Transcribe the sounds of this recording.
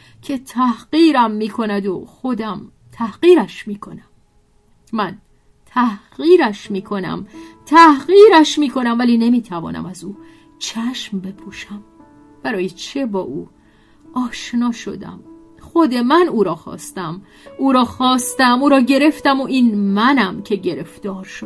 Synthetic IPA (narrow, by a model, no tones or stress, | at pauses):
cʰe̞t̪ʰæhɢiːɾæmːiːkʰo̞næd̪oxo̞d̪æm | t̪ʰæhɢiːɾæʃmiːkʰo̞næm | mæn | t̪ʰæhɢiːɾæʃmiːkʰo̞næ̰mt̪ʰæhɣiːɾæʃmiːkʰo̞næmvæliːne̞miːt̪ʰævɒ̰ːnʔæ̰mæzuː | t͡ʃʰæʃmbe̞pʰuːʃæm | b̥æɾɒːjet͡ʃʰe̞bɒːʔṵː | ʔɒːʃnɒːʃo̞̰d̪æ̰m | xo̞d̪e̞mænuːɾɒːxɒ̰ːst̪æm | uːɾɒːxɒːst̪æmuːɾɒːɟe̞ɾe̞ft̪æmoʔiːnmænæmcʰe̞ɟe̞ɾe̞fd̪̥ɒːɾʃo̥